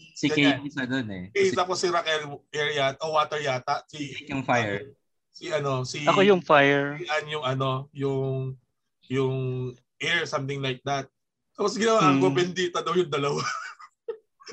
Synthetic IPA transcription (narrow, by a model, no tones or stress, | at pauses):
siɡɐkeisɐd̪onɛ̰ɛt̪aːposːiɾakɛlʔɛɹjat̪ʔowaːt̪ɛɹjaːt̪ɐʔsijʊŋfajɛ | siʔɐno̞siɐkojʊŋfajɛɹʔanjʊŋʔɐno̞jʊŋ | jʊŋ | ʔɛɹsɐmt̪ɪŋlajk̚d̪ɐt̪̚ | t̪ːaːpos̬ɡɪnɐwaːʔɐŋkobɛnd̪it̪ɐnojʊŋd̪ɐlɐwa